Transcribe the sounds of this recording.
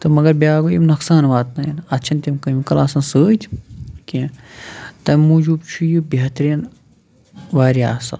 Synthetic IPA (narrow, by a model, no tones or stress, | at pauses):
t̪ɐmɐɡɐɾbʲjaːɡojḭmnɐksaːnʋaːt̪nɐjinɐt̪ːt͡ʃʰɐnt̪ʲɐmkɐmikɐlaːsɐnsəːt̪ʰʲkʲĩ | t̪ɐmʲmuːd͡ʒuːbt͡ʃʰujibʲɐt̪ɾin | ʋaːɾia̰ːsɐ̰n